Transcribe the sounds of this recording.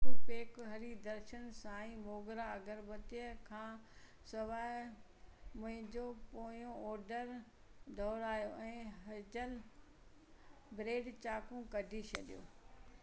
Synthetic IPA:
peːkɦɐɾid̪ɐɾʃənsãːĩmoːɡɾaɐɡəɾʋɐt̪ijəkʰãː | sɐʋaːɪ | mʊ̃ɦɪ̃ɲd͡ʑoːpoːoɔːɾɖəɾ | d̪ɔːɾaːɦjoɛ̃ːɦɐd͡ʑəl | bɾeːɖt͡ɕaːkũkɐɖʱit͡ɕʰɐɗijoː

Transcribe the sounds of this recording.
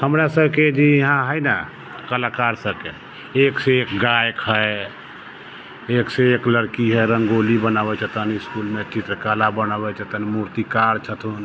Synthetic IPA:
həmɾasəbked͡ʒiɦãɦəjna | kəlakaɾsəb̚ke | ekseekɡajkɦəj | eːkseekləɾkiɦɛɾə̃ŋɡolibənabɛt͡ʃʰət̪ənɪskulmẽt͡ʃɪt̪ɾkalabənabɛt͡ʃʰət̪ənmuɾt̪ikaɾt͡ʃʰət̪un

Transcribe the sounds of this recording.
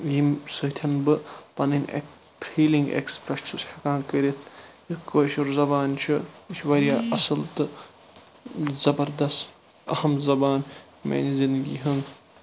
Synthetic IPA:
jimsɨt̪ʰɐnbɨpɐnɨnʲḛk̚ | pʰiːliŋɡḛkspɾɐst͡ʃʰushɐkaːnkəɾit̪ʰ | ikoːʃuɾzɐbaːnt͡ʃʰɨiʃʰʋɐɾjaːɐsɨlt̪ɨ | zɐbɐɾd̪ɐst̪ | ɐ̰hɐmzɐbaːn | mḛnizind̪ɡḭːɦɐŋ

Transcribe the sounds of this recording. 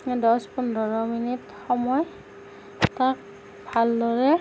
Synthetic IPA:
dɔspundɔɹɔminit | xɔmɔj | tak̚ | bʱaldɔɹɛ

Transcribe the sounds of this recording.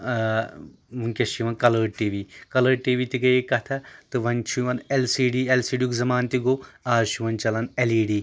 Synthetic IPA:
muŋkʲɐʃiʋɐnkɐlɐːʈiːʋiːkɐlɐːʈiːʋit̪iɡɐjekɐt̪ʰɐt̪ɨʋɐnt͡ʃʰiʋɐnelsiːɖiːelsiːɖjukzɐmaːnt̪iɡoaːʃiʋɐnt͡ʃɐlɐneliːɖiː

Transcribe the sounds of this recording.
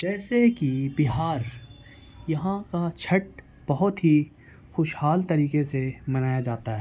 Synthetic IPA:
d͡ʒɛːsekibɪɦaːɾ | jɐɦãkat͡ʃʰɐʈ̚ | b̥ɐɦʊt̪ɦi | xʊʃhaːlt̪ɐɾiːkesemɐnaːjad͡ʒaːt̪aɦɛː

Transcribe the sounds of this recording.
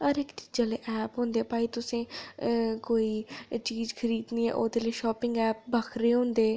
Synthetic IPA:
əɾɪkt͡ʃi̥d͡ʒaleːʔɛːpɦõːnd̪eːɛːpaːiːt̪ʊsẽː | koːiːt͡ʃiːzkʰəɾiːd̪nĩːɛ̰ːʔoːd̪eːləiʃɔːpɪŋɡɛːp̚bəkʰɾeːɦʊ̃ːnd̪eː

